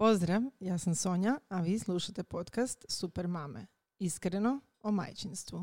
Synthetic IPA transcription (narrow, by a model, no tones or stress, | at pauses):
po̞zd̪ɾaʋjaːsamsoɲaaʋiːslˠuʃat̪e̞po̞t̪kast̪supeɾmamḛ | iskɾeno̞ | oma̰jt͡ɕinst̪ʋu